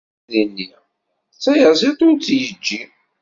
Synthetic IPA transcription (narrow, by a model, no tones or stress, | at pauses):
ðənːi | t͡sːæjəzet̪ˤʊnt͡sːjəd͡ʒːi